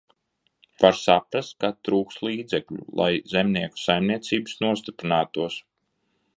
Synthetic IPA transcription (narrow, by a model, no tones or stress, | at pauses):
paɾsapɾast̪̚kat̪ɾuːkst̪lˠiːd̪zɛklʲṵlˠʔa̰jzemniɛku̥sajmniɛt̪siːbɨsnuɔs̬ʲt̪ipɾinaːt̪uɔs